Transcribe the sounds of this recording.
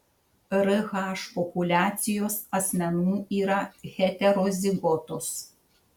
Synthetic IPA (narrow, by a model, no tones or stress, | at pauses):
ɾɨɣaʃpɔpulʲaːt̪sʲɪjoːsɐsʲmʲɛnuːiːɾɐɣʲɛt̪ʲɛɾozʲiɡɔt̪os